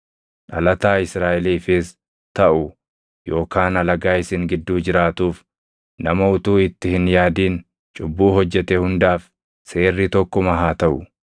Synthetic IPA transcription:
ᶑɐlɐt̪aːɪsɾaːʔɛliːfɪs | t̪ɐʔʊ | jo̞ːkaːnɐlɐɡaːɪsɪŋɡɪd̪ːuːd͡ʒɪɾaːt̪uːf | nɐmɐʊt̪uːɪt̪ːɪhɪnjaːd̪iːn | t͡ʃʼʊbːuːɦɔd͡ʒːɛt̪ɛhʊnd̪aːf | se̞ːrːit̪ɔkːɔmɐɦaːt̪ɐʔʊ

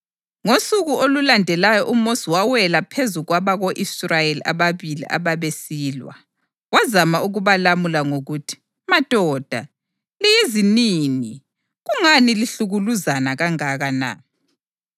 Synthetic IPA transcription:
ŋosuɣuolulandʱɛlajɔʔumosiwawɛlapʰezuɣwaβaɣoʔisrajelia̰βaβilḭʔa̰βaβesiːlwa̰ | wazamaʔuɣuβalamulaŋoɣutʰi̥ | mad̥ʱɔːd̥ʱa | lijiziniːni | ɣuŋaniliɬuɣuluzanaɣaŋaɣana̰

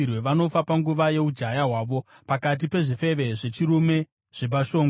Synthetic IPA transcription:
rwe̞ʋano̞fapaŋɡuʋaje̞ud͡ʒajaɦwaːʋo̞ | pakat̬ipe̞ʐife̞ʋe̞ʐe̞t͡ʃiɾume̞ | ʐ̥e̞baʃo̞ːŋɡ

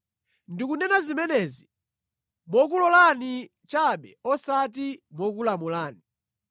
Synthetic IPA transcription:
ndikunɛnazimɛnɛzi | mɔk̬ulɔlani | t͡ʃaɓɛɔsatimɔk̬ulamulaːni

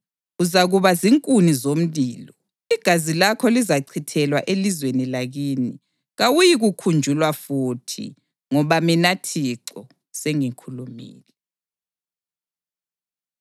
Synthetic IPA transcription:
uzaɣuβaziŋkʼunizom̩βiːlɔ | iɡ̥ʱazilakʰɔlizaǀʰitʰɛlwaʔelizwenilaɣiːni | ɣawujiɣukʰund͡ʒʱulwafutʰḭ | ŋɔβaminatʰiǀɔ | seŋikʰulumḭːlɛ

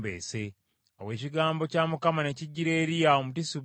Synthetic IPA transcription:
bḛːse̞ | owe̞ːciɡaːmbo̞caːmukamane̞ciɟːiɾe̞ːɾijaomutisiβ

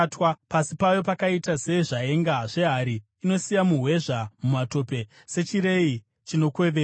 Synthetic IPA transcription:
twapasipajo̞pakaitase̞ʐae̞ŋɡaʐe̞ɦaɾiː | no̞sijamuɦwe̞ʐamumato̞pe̞ | se̞t͡ʃiɾe̞i | t͡ʃino̞kwe̞ʋe

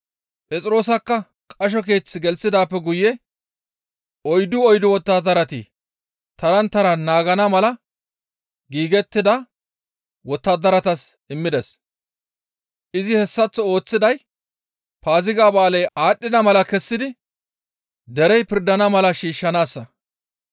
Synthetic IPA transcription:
pʼɛt͡sʼɪɾo̞ːsɐkːɐ | kʼɐʃ̬ɔk̬e̞ːt͡sːɪɡɛlsɪd̪aːpːɛɡʊjɛ | ɔjd̪ʊɔjd̪ʊwɔt̪ːaːd̪ɐɾɐt̪ɪ̰ | t̪ɐɾɐnt̪ɐɾɐnaːɡɐnɐmɐlɐ | ɡiːɡɛt̪ːɪd̪ɐ | wɔt̪ːaːd̪ɐɾɐt̪ɐsʔɪmːɪd̪ɛs | ʔɪzɪhɛsːɐt͡sːɔo̞ːt͡sːɪd̪ɐj | paːzɪɡaːbaːlɛjaːɗːɪd̪ɐmɐlɐkɛsːɪd̪ɪ | d̪ɛɾɛjpɪɾd̪ɐnɐmɐlɐʃiːʃːɐnaːsːɐ

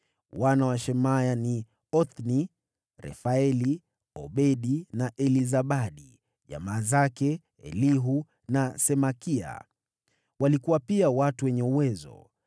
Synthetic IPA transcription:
wanawaʃɛmajani | ɔθni | ɾɛ̰faɛli | ɔ̰ɓɛɗinaʔɛlizaɓaɗi | ʄa̰maːzakɛ | ɛ̰liɦu | nasɛmakia̰ | walikuwapiawatuwɛɲɛuwɛzɔ̰

